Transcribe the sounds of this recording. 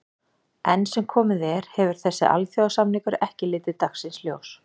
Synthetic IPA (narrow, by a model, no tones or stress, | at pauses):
ɛnːsɛmkʰɔːmɪðɛɾ̥hɛvʏɾ̥θɛsːɪ̰ʔa̰lθjowðasamnikʏɾɛhcɪlɪːt̪ɪðt̪axsɪnsljoːws